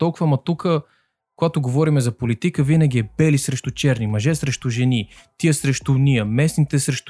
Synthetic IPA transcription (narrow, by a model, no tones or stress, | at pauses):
t̪ɔlˠkʊvɐmɐt̪ukə | koɡat̪ʊɡovɔɾimɛzɐpolit̪ikəvinɐɡ̟iɛbɛlisɾɛʃt̪ʊt͡ʃɛɾnimɐʒɛsɾɛʃt̪ʊʒɛni | t̪iəsɾɛʃt̪ʊniəmɛsnit̪ɛsɾɛʃt̪